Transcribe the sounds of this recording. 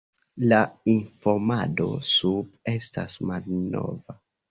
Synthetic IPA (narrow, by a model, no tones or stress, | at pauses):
lainfo̞mado̞̰sub̚e̞stasmalno̰va